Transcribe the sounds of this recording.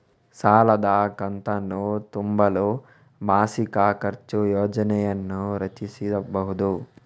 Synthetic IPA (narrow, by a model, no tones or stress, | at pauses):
saːlɐd̪ɐkɐnt̪ɐnːut̪umbɐlu | bʱaːsikɐkɐɾt͡ʃujoːd͡ʒɐnɛjɐnːuɾɐt͡ʃisid̪ɐbɐɦud̪u